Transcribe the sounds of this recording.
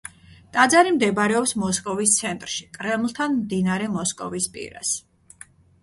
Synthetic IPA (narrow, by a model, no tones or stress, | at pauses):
t̪ʼad̪zaɾimd̪ɛbɾɛɔpsmɔskʼɔvist̪sʰɛnt̪ʼɾʃikʼɾɛmlˠt̪ʰanmd̪inaɾɛmɔskʼɔ̰vispʼḭɾa̰s